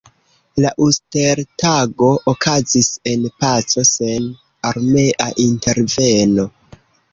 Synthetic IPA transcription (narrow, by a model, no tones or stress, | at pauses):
laʔuste̞ɾtaɡo̞ʔːkʰazise̞npat͡so̞se̞n | aɾme̞ʔaʔinte̞ɾve̞no̞